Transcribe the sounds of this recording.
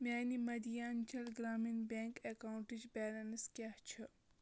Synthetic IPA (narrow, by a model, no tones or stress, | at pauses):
mʲaːnimɐd̪ijaːnt͡ʃʰɐlɡɾaːminbʲeːŋkekauɳʈid͡ʒbaːlɐnɨskʲjaht͡ʃʰɨ